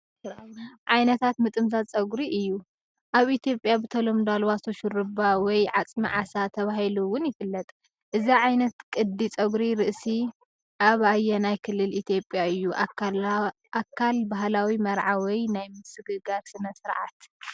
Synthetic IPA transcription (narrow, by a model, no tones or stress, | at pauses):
ʕajnɐt̪ʰat̪mɨt̪ʼɨmzat͡sʼɐɡɾiʔɨjːu | ʔaβit̪ʰjo̞pʼjabɨt̪ʰɐlomd̪alwasoʃɨɾɨbawɔjʕat͡sʼmḭʕasat̪ʰɐβaɦiluwʊnjɪfɨlːɐt̪ʼ | ʔɨziʕajnɐt̪kʼɨd̪ːit͡sʼɐɡɾiɾɨʔsi | ʔaβajːɛnajkʰɨlːɨlit̪ʰjo̞pʼjaɨjːuʔ | akʰːalbaɦlawimɐɾʕawɔjnajmɨsɨɡɨɡaɾsɨnɐsɨɾʕa̰t̪